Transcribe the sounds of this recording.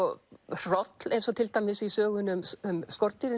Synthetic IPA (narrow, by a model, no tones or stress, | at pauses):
ɔr̥ɔt̪lejnsɔt̪ʰɪlt̪ajmɪsisœːɣʏnʏmʏmskɔɾt̪iɾɪ